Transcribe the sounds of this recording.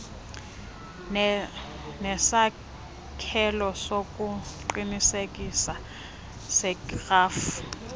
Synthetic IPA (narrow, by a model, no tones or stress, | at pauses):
nɛsa | kʰɛlɔsokʼuǃinisekʼisa | sɛkraːf